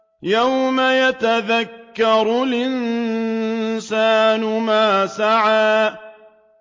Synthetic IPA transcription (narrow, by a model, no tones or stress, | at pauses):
jawmajat̪aðakːɑɾˤlʔɪn | saːnʊmaːsaʕaː